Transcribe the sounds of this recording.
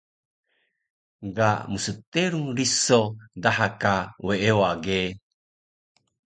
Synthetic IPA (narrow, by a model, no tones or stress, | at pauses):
ɡaʔmusət̪eɾuŋɾisodaɦakaweewaɡe